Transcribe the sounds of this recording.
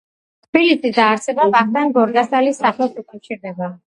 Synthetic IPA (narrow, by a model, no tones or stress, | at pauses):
t̪ʰbilisid̪aːɾsɛbapaχt̪anbɔɾd̪asalisaχlɛsukʼafʃiɾd̪ɛba